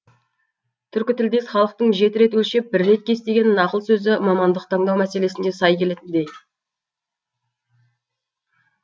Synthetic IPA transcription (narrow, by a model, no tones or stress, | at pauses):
t̪ʰʏɾkʲɪt̪ɪld̪e̞sχɑlˠəq̚t̪əɴʒe̞t̪ɪɾe̞t̪wɵlʃe̞p̚bɪɾːe̞t̪̚kʲʰe̞st̪e̞ɡʲe̞nnɑqəlˠsɵzɪmɑmɑnd̪əq̚t̪ʰɑɴd̪ɑwmæse̞le̞sɪnd̪esɑjkʲʰe̞le̞t̪ɪnd̪e̞j